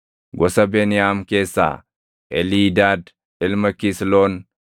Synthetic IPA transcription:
ɡɔsɐbeːnɪjaːmke̞ːsːa̰ː | ʔɛliːd̪aːd̪ | ɪlmɐkisloːn

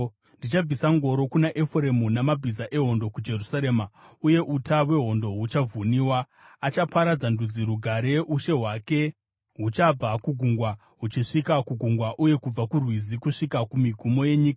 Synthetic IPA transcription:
ndit͡ʃab͡visaŋɡo̞ɾo̞kunaʔefre̞munamabʱizaʔe̞ɦo̞ndo̞kud͡ʒe̞rusaɾe̞ːmauje̞ʔutawe̞ɦo̞ndo̞ɦut͡ʃavuniːwaː | t͡ʃapaɾad͡zandud͡ziɾuɡʱaɾe̞ʔuʃe̞ɦwake̞ | ɦut͡ʃab͡vakuɡʱuŋɡwa | ɦut͡ʃiʂikakuɡʱuŋɡwaʔuje̞kub͡vakurwizikuʂikakumiɡʱumo̞je̞ɲiːkḁ

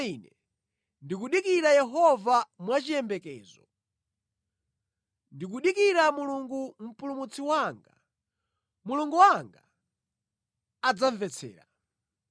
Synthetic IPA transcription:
iːnɛ | ndikuɗikiɾajɛɦɔvamwat͡ʃijɛmbɛkɛ̰ːzɔ̰ | ndik̬uɗikiɾamuluŋɡum̩pulumut͡sʰiwaŋɡa | muluŋɡuwaŋɡa | ad͡zaɱvɛt͡sʰɛ̰ːɾa

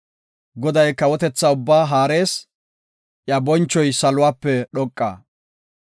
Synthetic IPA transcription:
ɡɔd̪ɐjkɐwɔt̪ɛt͡sːaʊbːaːɦaːɾe̞ːs | ʔjabɔnt͡ʃːɔjsɐlʊwaːpːɛɗɔkʼːa̰ː

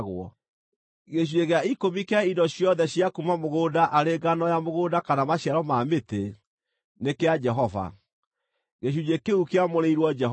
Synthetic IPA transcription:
ɣwɔ | ɣeɕ̬ueɣeaikomikeaidɔɕjɔðɛɕiakumamoɣoːdaʔaɾeɡanɔjamoɣoːdakanamaɕjaɾɔmaːmete | nekead͡ʒɛɦɔva̰ | ɣeɕ̬ud͡ʒekeukeamoɾeiɾwɔd͡ʒɛ

